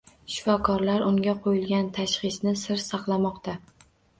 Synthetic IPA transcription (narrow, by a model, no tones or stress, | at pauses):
ʃɪ̥fɒkʰɒɾlaɾʊŋɡʲaqʰojɪlɡʲant̪ʰaʃχɨsnɪsɪɾsɑqlˠamɒqt̪ʰa